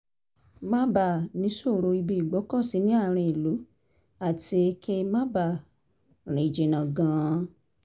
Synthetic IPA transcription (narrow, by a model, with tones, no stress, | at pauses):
mã˦ba˨nĩ˨˦so˦˨ɾo˧i˧bi˧i˨ɡ͡bo˨˦kɔ˦˨si˨˦nĩ˦a˦˨ɾ̃ĩ˧i˨lu˨˦ | a˦˨ti˧e˧kʰe˧mã˦ba˦˨ | ɾ̃ĩ˨d͡ʒe˨nã˨ɡãː˧˦